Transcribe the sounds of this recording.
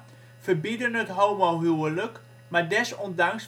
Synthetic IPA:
v̥əɹbidənɦətɦowmowɦywələk | maːɹdɛsɔndɑŋs

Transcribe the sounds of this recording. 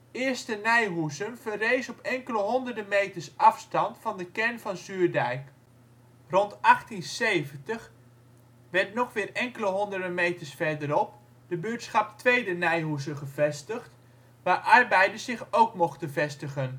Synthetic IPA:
ɪːɹstənɛjɦusənvərejsɔpɛŋkələɦɔndərdəmejtəɹsʔɑfstɑntfɑndəkɛɹnvɑnzyːɹdɛjk | rɔntʔɑχtinsejvəntəχ | ʋɛɹtnɔχʋɪːrɛŋkələɦɔndərdəmejtəɹsfɛɹdəɾɔp | dəbøːtsχɑp̚tʋejdənɛjɦusənχəvɛstəχt | ʋaːɹʔɑrbɛjdəsɪχowkmɔχtənvɛstəχən

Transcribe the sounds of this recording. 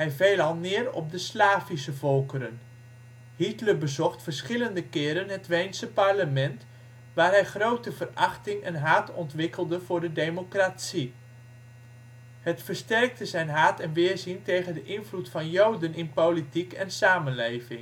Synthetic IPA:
hɛjvejlɑlˠnɪːrɔ̰p̚dəslaːvisəvɔlˠkəɾən | hitləbəzɔχtfərsχɪləndəkɪːɾənɦətʋejnsəpɑrləmɛnt | ʋaːrɦɛjχrowtəvərɑχtɪŋə̰nɦaːtʰɔntʋɪkəlˠdəv̥ʊːɹdədejmokratsi | hətfəɹstɛrk̚təzɛjnɦaːtɛnʋɪːɹzintejχəndəʔɪnvlutfɑnjowdənɪnpowlitikɛnsaːmənlejvɪŋ

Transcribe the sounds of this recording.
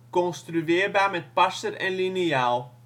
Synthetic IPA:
kɔnst̪ɾyeːɾbaːmɛt̪̚pasəɾɛnliniɑːlˠ

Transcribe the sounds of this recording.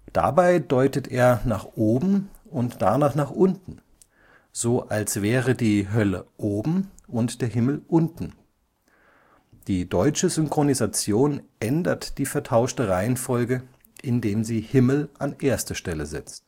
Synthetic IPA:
d̥a̰baɪdɔʏtəteːɐnaːχʔoːbm̩ʊntd̥anaːχnaːχʔʊntn̩ | z̥oːʔalsv̥ɛːʁədiːɦœlə̰ʔoːbm̩ʔʊntd̥eːɐɦɪml̩ʔʊntn̩ | d̥iːdɔʏt͡ʃəzʏŋkʁ̥onizat͡sjoːnʔɛndɐtd̥iːfɛɐtʰaʊʃtəʁaɪənfɔlɡə | ʔɪndeːmziːhɪml̩ʔanʔeːɐstəʃtɛləzɪ̰t͡st

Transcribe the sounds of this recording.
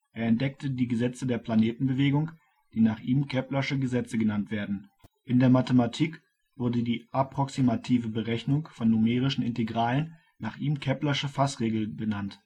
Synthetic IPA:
ʔeːɐɛnt̚d̥ɛk̚tʰədiːɡəzɛt͡sədeːɐpʰl̥aneːtn̩bəveːɡʊŋ | d̥iːnaːχʔiːmkʰɛplɐʃəɡəzɛt͡səɡənantv̥eːɐdn̩ʔɪndeːɐmatəmatʰiːk | v̥ʊɐdədiːʔapʁ̥ɔksimatʰiːvəbəʁɛçnʊŋfɔnːumeːʁ̞ɪʃn̩ɪnteɡʁaːlənː | aːχʔiːmkʰɛplɐʃəfasʁeːɡl̩bənant

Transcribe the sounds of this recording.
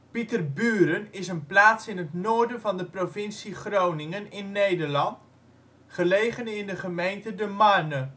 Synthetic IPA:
pitərbyːɾənɪsənplaːsɪnətnoːɹdənvɑndəprovɪnsiχrownɪŋənɪnːejdəɹlɑnt | χəlejχənɪndəχəmejntədəmanə

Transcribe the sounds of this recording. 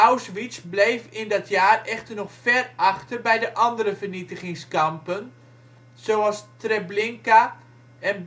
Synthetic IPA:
awsʋisblejfɪndɔtʰjaːrɛxtərnɔxfɛrɑxtərbɛjdəʔɑndəɾəvərnitəχɪŋskɑmpən | z̥owɑlˠstrɛblɪŋka | ɛn

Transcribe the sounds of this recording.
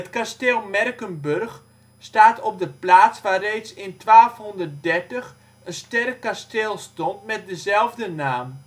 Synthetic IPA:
ətkasteːlˠmɛrkənbørx | staːtɔp̚dəplaːt͡sʋarejt͡sɪntʋaːlfhɔndərt̚dɛrtəx | ənstɛrkːasteːlˠstɔntmɛt̚dəzɛlˠvdənaːm

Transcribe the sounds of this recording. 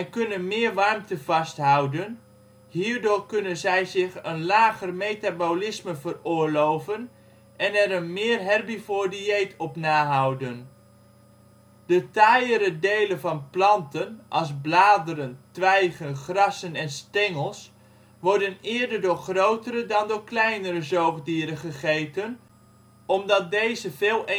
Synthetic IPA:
ɛjkɵnənmɪːɹʋɑɹmtəvɑstɦɑwdən | ɦiːɹdʊːɹkɵnənzɛjzɪχənlaːχərmejtabowlɪsməvərʊːɹlowvən | ʔɛnɛɾənmɪːrɦɛrbifoːɹdiejtʰɔpnaːɦʌwdən | d̥ətajəɾədejlənvɑnplɑntənʔɑlˠzblaːdəɾəntʋɛjχənχrɑsənɛnstɛŋəlˠs | ʋɔɹdənɪːɹdəɹdʊːɹχrowtəɾədɑndʊːɹklɛjnəɾəzoːχdiːɾəχəχejtən | ɔmdɑt̚dejzəvɪːlˠ

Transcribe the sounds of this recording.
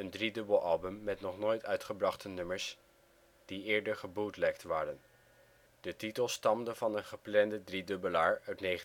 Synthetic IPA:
əndridɵbəlˠɑlˠbəmːɛtnɔχnoːjtœɥtχəbrɑχtənɵməɹs | d̥iɪːɹdəɹχəbudlɛk̚tʋaːɾən | d̥ətitəlˠstɑmdəvɑnənχəplɛndədridɵbəlaːɹœɥtnejχə

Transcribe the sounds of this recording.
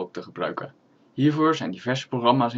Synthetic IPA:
k̚təχəbrœ̰ɥkə | ɦiːɹvʊːɹzɛjndivɛɹzə̥proχrɑmaːsɪ

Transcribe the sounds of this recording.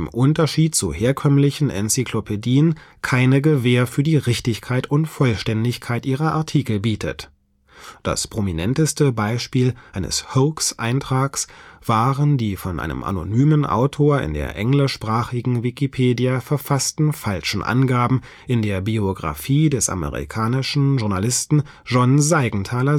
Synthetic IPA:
ɪmʔʊntɐʃiːt̚t͡sṵheːɐkʰœmlɪçn̩ʔɛ̰nt͡sikʰlopʰediːənkʰaɪnəɡəveːɐfyːɐdiːʁɪçtɪçkʰaɪtʰʊntfɔlʃtɛndɪçkʰaɪtʔiːʁɐʔa̰ɐtʰiːkl̩biːtʰə̰t | d̥a̰spʁ̥ominɛntəstəbaɪʃpiːlʔaɪnə̰shoːksʔa̰ɪntʁ̥aːksv̥aːʁəndiːfɔnʔa̰ɪnə̰mʔa̰no̰nyːmənʔa̰ʊtʰoːɐɪ̰ndḛːɐʔɛŋlɪʃpʁ̥aːχɪɡŋ̩vikipʰeːdijafɛɐfastn̩falʃn̩ʔa̰nɡaːbm̩ | ʔɪndeːɐbioɡʁa̰fiːdɛsʔa̰mə̰ʁḭkʰaːnɪʃn̩ʒʊɐnalɪstn̩ | ʒ̥ɔnzaɪɡŋ̩tʰaːlɐ

